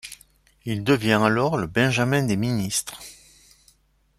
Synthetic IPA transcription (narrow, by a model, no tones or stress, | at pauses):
ild̪əvjɛ̃alɔʁləbɛ̃ʒamɛ̃d̪eminist̪χ